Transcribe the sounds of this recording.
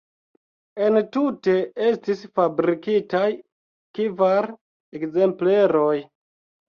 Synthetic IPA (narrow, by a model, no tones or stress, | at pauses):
e̞ntute̞e̞stisfabɾikitaj | kivaɾ | ekze̞mple̞ɾo̞j